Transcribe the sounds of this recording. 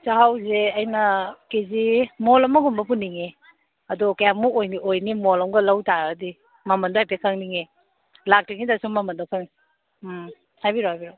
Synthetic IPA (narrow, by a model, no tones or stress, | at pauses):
saɦawzeɐjnɐkezimolɐmɐɡumbɐp̬unːiŋe | ɐdɔkajamːuojniojnimolɐmɡɐlɐwtaɡɐdi | mɐmɐndɔajpekʰaŋniŋe | lak̚tiŋnidasuŋmɐmɐndɔkʰaŋ | m | hajbiɾohajbiɾo